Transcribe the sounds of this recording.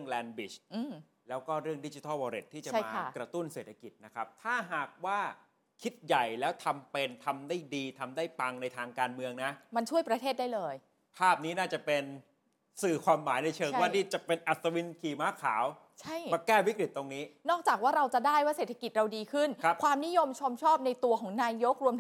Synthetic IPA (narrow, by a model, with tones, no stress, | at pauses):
ɯ˥˩əŋlɛː˧nbi˨˩ʔɯː˧˩m | lɛː˦˥wkɔː˥˩ɾɯ˥˩əŋdi˦˥t͡ɕi˧˦t̪a˥˩wɔː˧ɾe˨˩t̪ʰːiː˥˩t͡ɕa˨˩a˥˩jmː˧a˥˩kɾa˧t̪u˥˩nseː˨˩t̪ʰːa˧ki˨˩t̪̚na˦˥kʰɾa˦˥p̚t̪ʰaː˥˩ɦaː˨˩k̚waː˥˩ | kʰi˦˥t̪̚ja˨˩jlɛː˦˥wt̪ʰa˧mpe˧nt̪ʰa˧mdaː˥˩jdiː˧t̪ʰa˧mdaː˥˩jpa˧ŋna˧jt̪ʰaː˧ŋkaː˧nmɯ˧əŋna˦˥ʔma˧nt͡ɕʰu˥˩əjpɾa˧t̪ʰeː˥˩daː˥˩jlɤː˧j | pʰaː˥˩p̚niː˦˥naː˥˩t͡ɕa˨˩pe˧n | sɯː˨˩kʰwaː˧mːaː˩˦jna˧jt͡ɕʰɤː˧ŋwaː˥˩niː˥˩t͡ɕa˨˩pe˧nʔa˨˩t̪̚sa˧wi˦˥nkʰiː˧maː˦˥kʰa̰ː˩˦w | t͡ɕʰa˥˩jmaː˧kɛː˥˩wi˦˥kɾi˨˩t̪ːo˧ŋniː˦˥nɔː˥˩k̚t͡ɕaː˨˩k̚waː˥˩ɾa˧wt͡ɕa˨˩daː˥˩jwaː˥˩seː˨˩t̪ʰa˧ki˨˩t̪̚ɾa˧wdiː˧kʰɯ˥˩nʰa˦˥kʰwaː˧mni˦˥jo˧mt͡ɕʰo˧mt͡ɕʰɔː˥˩p̚na˧jt̪u˧ɐkʰɔː˩˦ŋnaː˧jo˦˥k̚ɾu˧mt̪ʰ